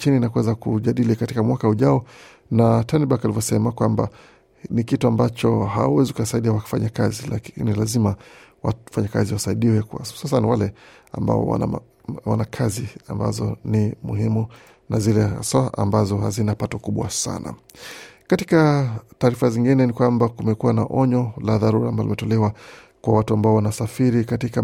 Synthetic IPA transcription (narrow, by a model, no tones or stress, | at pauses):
t͡ʃiniːnakwɛzakuʄaɗilikatikamwakauʄaɔ | nataniɓakalivjɔsɛmakwamba̰ | nikituambat͡ʃɔha̰awɛzikukasaiɗiawḁfaɲakazilakinilazima | wa̰faɲakaziwasaiɗiwɛkwa̰ssasanawalɛ | a̰mba̰ɔ̰wa̰n | wa̰nakʰaziamba̰zɔ̰nimuhimu | nazilɛa̰saaʔa̰mbazɔhazinapatɔkuɓwa̰sa̰na̰ | katikataːɾifaziŋɡinɛnikwambakumɛkuwanaʔɔɲɔlaðaɾuɾambaɔlimɛtɔlɛwa | kwawatuambaɔwanasafiɾikatika